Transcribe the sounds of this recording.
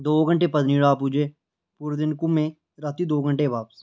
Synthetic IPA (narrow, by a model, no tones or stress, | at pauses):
d̪oːɡəɳʈeːpəd̪niːɽaːpud͡ʒeː | puːɾd̪ɪnkumẽ | ɾat̪iːd̪oːɡə̃ɳʈeːʋaːpəs